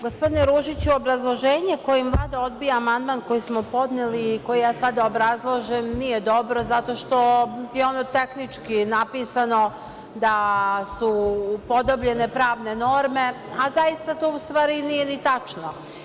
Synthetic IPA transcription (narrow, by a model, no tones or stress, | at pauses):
ɡospo̞d̪ineɾuʒit͡ɕuobɾazlˠo̞ʒeːɲeko̞jeimvlˠaːd̪ao̞d̪bijaːmand̪maːnko̞jismopo̞d̪neliːko̞jijaːsad̪aobɾazlˠoʒemnije̞d̪o̞bɾo̞zat̪o̞ʃt̪o̞jeo̞not̪e̞xnit͡ʃkinapiːsano̞ | d̪asupo̞d̪o̞bʎe̞ne̞pɾaːʋne̞no̞ɾme̞ | azajist̪at̪oːust̪ʋaːɾinije̞nit̪at͡ʃno